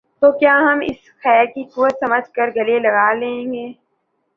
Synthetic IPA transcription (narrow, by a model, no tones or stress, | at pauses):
t̪oːkjaːɦɐmɪ̰s | xɛːɾkikʊʋət̪sɐməd͡ʒʱkəɾɡɐlelɐɡaːlẽːẽːŋɡeː